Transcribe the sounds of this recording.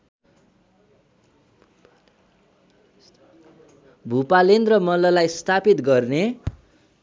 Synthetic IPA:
bʱupalenrʌmʌlʌlajst̪ʰapit̪ɡʌrne

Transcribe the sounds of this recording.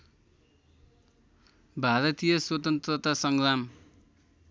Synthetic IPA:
bʱaɾʌt̪ijʌswʌt̪ʌnt̪rʌt̪asʌŋlam

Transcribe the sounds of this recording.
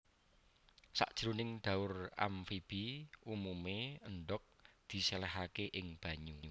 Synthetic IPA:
sa̰ʔd̥ʒ̥ɾunɪŋɖ̪̥a̤ʊra̰mfib̥iumumeənɖɔk̚d̪̥i̤selɛɦakeʔɪŋb̥ä̤ɲuu

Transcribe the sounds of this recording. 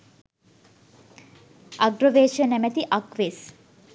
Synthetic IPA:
ʔɐɡɾoʋeːʃənæmæt̪iʔɐkʋeːs

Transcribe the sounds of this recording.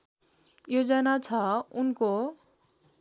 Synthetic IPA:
jod͡zʌnat͡sʰʌunko

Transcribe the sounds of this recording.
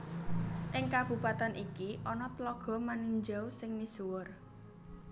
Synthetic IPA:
ʔɪŋkab̥ṳpat̪anʔikiʔɔnɔt̪lɔɡ̥ɔ̤maniɲd͡ʒawsɪŋmisuwʊr

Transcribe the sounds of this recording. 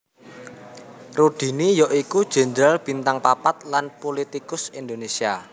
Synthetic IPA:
ruɖ̥i̤nijɔʔikud̥ʒ̥ɛ̤nd̪ɾalb̥i̤nt̪aŋpapat̪̚lanpolit̪ikʊsind̪onesia

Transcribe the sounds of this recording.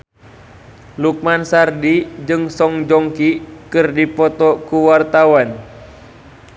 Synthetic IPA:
luk̚mansardid͡ʒɨŋsɔŋd͡ʒɔŋkikɨrdipɔt̪ɔkuwart̪awan

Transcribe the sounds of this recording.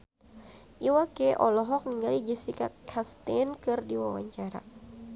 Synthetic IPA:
ʔiwakeʔɔlɔɦɔk̚niŋɡalid͡ʒɛsikakʰast̪ɛnkɨrdiwawa̰ɲt͡ʃaɾa̰

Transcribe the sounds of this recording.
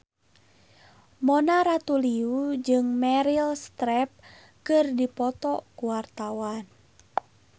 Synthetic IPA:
mɔnaɾat̪uliud͡ʒɨŋmɛɾilst̪ɾɛp̚ | kɨrdipɔt̪ɔkuwart̪awan

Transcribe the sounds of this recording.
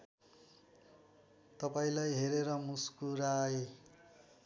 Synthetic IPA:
t̪ʌpaĩlajɦeɾeɾʌmuskuɾae

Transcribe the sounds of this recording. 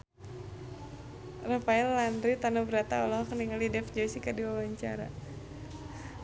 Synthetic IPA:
rəpaɛlːandɾit̪anubəɾat̪a̰ɔlɔɦɔkəniŋalidɛfd͡ʒɔsikadiwawaɲt͡ʃa̰ɾa̰

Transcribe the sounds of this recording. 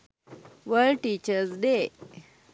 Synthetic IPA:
ʋəɭʈit͡ɕəɾsd̪e

